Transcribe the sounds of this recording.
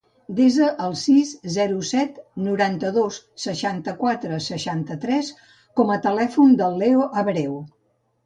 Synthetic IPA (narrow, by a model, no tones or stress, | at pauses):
d̪ezəʔəlˠsizzɛɾusɛt̪nuɾant̪əðos | səʃant̪əkwat̪ɾəsəʃant̪ət̪ɾɛs | kɔmət̪əlɛfund̪əlˠːɛoʔəβɾɛw